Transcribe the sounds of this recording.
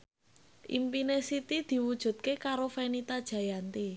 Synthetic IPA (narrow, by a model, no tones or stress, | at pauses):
ʔḭmpinesit̪id̪̥i̤wud̥ʒ̥ṳt̪̚kekaɾofenit̪ad̥ʒ̥ä̤jant̪i